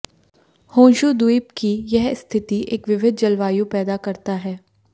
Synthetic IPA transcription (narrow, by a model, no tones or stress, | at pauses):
hõːʃud̪uipkijɛɦst̪ʰɪt̪iʔḛːkʋɪʋɪd̪̚ʱd͡ʒɐlʋaːjupɛːd̪akɐɾt̪aɦɛː